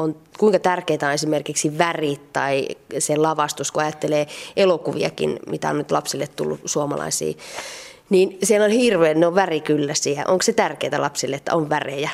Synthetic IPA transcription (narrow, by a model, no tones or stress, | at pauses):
onkuiŋkɑt̪ærkeːt̪æonesimerkiksiʋærit̪t̪ɑiselɑʋɑst̪uskuɑjɑt̪ːeleːʔelokuʋḭɑ̰kḭnmit̪æ̰o̰nnyt̪lɑpsilːet̪t̪ṵlːusuɑmɑ̰lɑ̰isḭː | niːnsielolhirʋeːnneoʋʋærikylːæsiæʔoŋkset̪ærkeit̪ælʔɑpsilːeet̪ːæ̰oʋʋærejæ